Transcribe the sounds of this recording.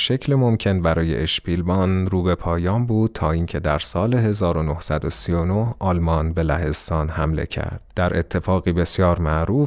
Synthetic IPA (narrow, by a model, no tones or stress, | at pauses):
ʃecʰlemomcʰe̞nbæɾɒːje̞̰ʔeʃbiːlbɒːnɾuːbe̞pʰɒːjɒːmbuːd̪̚t̪ʰɒːiːcʰe̞d̪æɾsɒːleɦe̞zɒːɾo̞no̞hsæd̪o̞sionohʔɒːlmɒːnbe̞læ̰he̞zt̪ɒːnhæmle̞̰cʰæ̰ɾd̪̥d̪̥æɾʔe̞̰t̪ʰːe̞fɒːɣiːbe̞sijɒːɾmæʔɾuːf